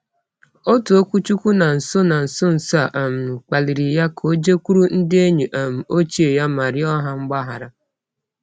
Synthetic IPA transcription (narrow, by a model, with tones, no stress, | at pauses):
o˦tu˨o˦kʷu˦t͡ʃu˦kʷu˦na˨n̩˨so˦na˨n̩˨so˦n̩˨sa˦˨ʔa˨m̩˨n̩˨k͡pa˨li˨ɾi˨ja˦kʰo˦d͡ʒe˦kʷu˦ɾu˦n̩˦dɪ˦e˦ɲu˨ʔa˨m̩˨o˦t͡ʃi˦e˨ja˦ma˨ɾɪ˦ɔ˦ɦa˦ŋ͡m̩˦ɡ͡ba˦ɦa˨ɾa˨